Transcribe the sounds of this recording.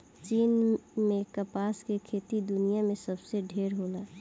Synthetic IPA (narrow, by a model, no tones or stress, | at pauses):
t͡ʃiːnmẽkəpaːskekʰeːt̪id̪ʊnijamẽsəbseɖʱeːɾɦola